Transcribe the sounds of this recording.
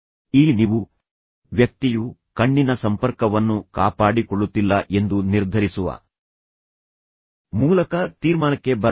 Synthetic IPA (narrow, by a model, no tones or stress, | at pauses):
iːniʋu | ʋjɐk̚t̪ijukɐɳːinɐsɐmpɐɾkɐʋɐnːukaːpaːɽikoɭːut̪ːilːɐʔe̞nd̪uniɾd̪ʱɐɾisuʋɐ̰ | muːlɐkɐt̪iːɾmaːnɐkːe̞bɐ